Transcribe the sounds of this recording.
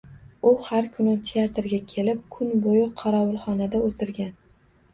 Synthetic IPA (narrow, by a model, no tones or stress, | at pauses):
ʊhaɾkʰʊnɪt̪ʰeat̪ɾɡʲakʲʰe̞lɪp̚kʰʊnbojɪqʰɑɾɒwʊlˠχɒnad̪aot̪ʰɪɾɡʲan